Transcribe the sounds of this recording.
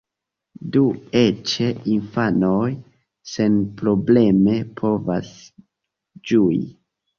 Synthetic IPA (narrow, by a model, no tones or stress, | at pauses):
due̞t͡ʃe̞infano̞j | se̞npɾo̞ble̞me̞pʰo̞va̰s | d͡ʒuḭ